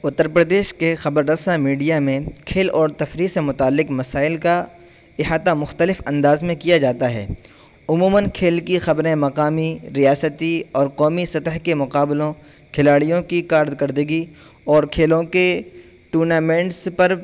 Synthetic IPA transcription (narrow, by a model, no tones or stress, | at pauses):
ʊt̪ːəɾpɾəd̪eːʃkexɐbəɾd̪əsamiːɖijamẽkʰeːlɔːɾt̪ɐfɾisemʊt̪aːlːɪqmɐsaːɪlka | ɪɦaːt̪amʊxt̪əlɪfɐ̃nd̪aːzmẽkijad͡ʒaːt̪aɦɛ̰ː | ʊmuːmənkʰeːlkixɐbɾẽmɐqaːmiɾijaːsət̪iɔːɾqɔːmisɐt̪əɦkemʊqaːbɪlõ | kʰɪlaːɽijõkikaːɾd̪kəɾd̪əɡi | ɔːɾkʰeːlõke | ʈuːɾnaːmẽːɳʈspɐɾ